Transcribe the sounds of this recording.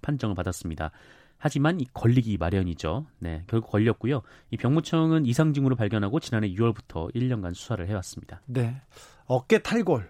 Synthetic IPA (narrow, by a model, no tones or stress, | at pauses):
pʰand͡ʑʌŋɯɭpadas͈ɯmɲida̰ | had͡ʑimanikʌʎːiɡimaɾjʌɲid͡ʑone̞̰kjʌɭɡuk͈ʌʎːʌk̚k͈ujoipjʌŋmut͡ɕʰʌŋɯnisʰaŋd͡ʑiŋɯɾopaɭɡjʌnɦaɡot͡ɕinane̞juwʌɭbutʰʌ̰iɭːʌnɡansʰu̥sʰaɾɯɭɦe̞was͈ɯmɲid̥ane̞ | ʌk͈etʰaɭɡʌɭ